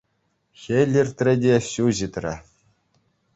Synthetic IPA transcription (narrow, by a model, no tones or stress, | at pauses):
xʲelʲirʲt̪ʲrʲɘ̆dʲeɕuʑit̪rʲɘ̰̆